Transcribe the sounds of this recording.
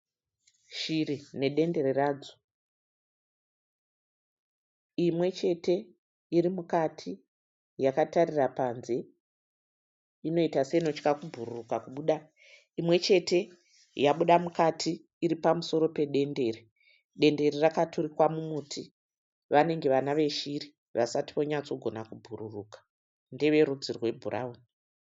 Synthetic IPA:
ʃirine̞ɗe̞nde̞ɾeraːd͡zo | imwe̞t͡ʃe̞te̞ | iɾimukatʰi | jakatarirapanze̞ | ino̞itaseino̞t͡ʃkakubʱururukakuɓuːɗa | imwe̞t͡ʃe̞te̞ | jaɓuɗamukatʰiː | ɾipamuso̞ɾo̞pe̞ɗe̞nde̞ri | ɗe̞nde̞ɾirakaturikwamumutʰi | ʋane̞ŋɡe̞ʋanaʋe̞ʃiri | ʋasati̥ʋo̞ɲat͡so̞ɡʱo̞nakubʱuɾuruːkḁ | ndeʋe̞ɾud͡zirwe̞bʱura̰uni

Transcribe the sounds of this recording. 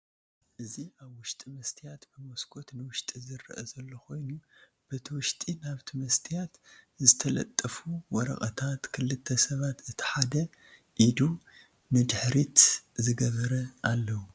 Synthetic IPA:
ʔɨziaβwʊʃt̪ʼimɐst̪ʰijat̪bɨmo̞skʰo̞t̪nɨwʊʃt̪ʼizɨrːʔɐ̰zɐlːo̞kʰo̞jnu | b̥ɐt̪ʰiwʊʃt̪ʼinaβt̪ʰimɐst̪ʰijat̪zɨt̪ʰɐlɐ̰t̪ʼːɐfuwɔɾɐ̰xʼɐt̪ʰat̪kʰɨlːɨt̪ʰːɐsɐβat̪ɨt̪ʰi̥ħad̪ɐ | ʔid̪u | nɨd̪ɨħɾit̪zɨɡɐβɐɾɐʔalːɐwu

